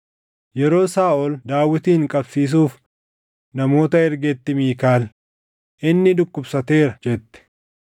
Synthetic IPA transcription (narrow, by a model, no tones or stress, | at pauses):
jɛɾo̞ːsaːʔɔld̪aːwːɪt̪iːhŋkʼɐbsiːs̬uːf | nɐmo̞ːt̪ɐɛɾɡɛt̪ːɪmiːkaːl | ʔɪnːɪd̪ʊkːʊbsɐt̪e̞ːɾɐd͡ʒɛt̪ːɛ̥